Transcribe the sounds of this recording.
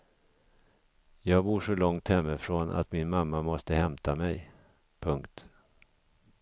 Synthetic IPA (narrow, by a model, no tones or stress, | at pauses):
jɑːɡbuːʂɔlɔŋt̪hɛmːɪfɾoːnʔa̰t̪mɪnmamːamɔst̪əhɛmt̪ʰamɛj | pʰɵŋkt̪